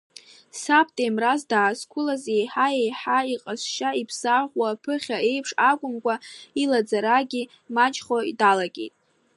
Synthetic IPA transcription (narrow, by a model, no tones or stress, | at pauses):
sapʰtʼemrazdaːskʷʰʊlazejħaejħaiqʼasʃaipʰsaʁʷwapʰɨχʲae̞jpʰʂakʷʼʊmkʷʼailad͡zaɾaɡʲi | mat͡ʃʼχoḭdalaɡʲe̞̰jtʼ